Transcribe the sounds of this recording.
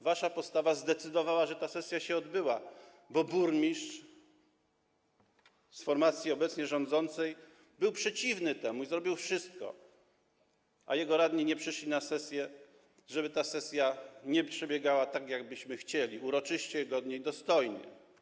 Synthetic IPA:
vaʂapɔst̪avazd̪ɛt̪sɘd̪ɔvawaʐɛt̪asɛsʲjaɕɛɔd̪bɘwa | bɔbuɾmʲiʂt͡ʂ | sfɔɾmat̪sʲjiɔbɛt̪sɲɛʐɔ̃nd̪zɔnt̪sɛj | bɘwpʂɛt͡ɕivnɘt̪ɛmuizɾɔbʲiwfʂɘst̪̚kɔ̰ | ʔa̰jɛɡɔɾad̪ɲiɲɛpʂɘʂlʲinasɛsʲjɛ | ʐɛbɘt̪asɛsʲjaɲɛpʂɛbʲjɛɡawat̪aɡjaɡ̚bɘɕmɘxt͡ɕɛlʲiuɾɔt͡ʂɘɕt͡ɕɛɡɔd̪ɲejd̪ɔst̪ɔjɲɛ̰

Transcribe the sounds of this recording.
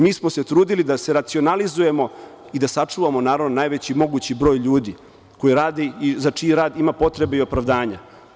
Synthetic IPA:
miːsmose̞t̪ɾuːd̪ilid̪ase̞ɾat̪sio̞nalizuje̞mo̞ | id̪asat͡ʂuːʋamo̞naːɾaʋnonaːjʋe̞t͡ɕimo̞ɡut͡ɕibɾo̞ːjʎuːd̪i | ko̞jiɾaːd̪eizat͡ʂiɾaːd̪imapo̞t̪ɾe̞beio̞pɾaʋd̪aːɲa̰

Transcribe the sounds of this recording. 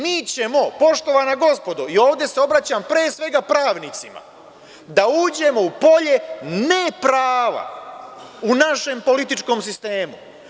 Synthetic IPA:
miːt͡ɕe̞mo̞po̞ʃt̪o̞ʋanaɡo̞spo̞d̪oio̞ːʋd̪je̞seo̞bɾat͡ɕampɾeːsʋe̞ɡapɾaːʋnit̪sima̰ | d̪auːd͡ʑe̞mo̞upo̞ʎe̞nepɾaːʋa̰ | unaʃe̞mpo̞lit̪it͡ʃko̞ːmsist̪e̞ːmu

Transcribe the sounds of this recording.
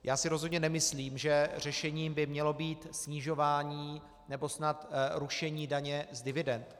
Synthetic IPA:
jʔaːsɪɾo̞zɦo̞dɲɛnɛmɪsliːmʒɛr̝ɛʃɛɲiːmbɪmɲɛlo̞biːt̪sɲɪʒo̞vaːɲiː | nɛbo̞snat̪ɾuʃɛɲiːdaɲɛzdɪvɪdɛnt̪

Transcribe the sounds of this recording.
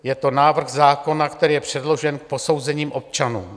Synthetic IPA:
jɛt̪o̞naːvr̩xzaːko̞nakt̪ɛɾiːjɛpr̝̥ɛdlo̞ʒɛnk̚po̞so̞wzɛɲiːmʔo̞p̚t͡ʃanṵːm

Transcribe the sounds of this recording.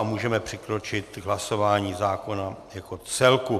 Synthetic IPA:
muːʒɛmɛpr̝̥ɪkɾo̞t͡ʃɪt̪ɦlaso̞vaːɲiːzaːko̞najako̞t͡sɛlku

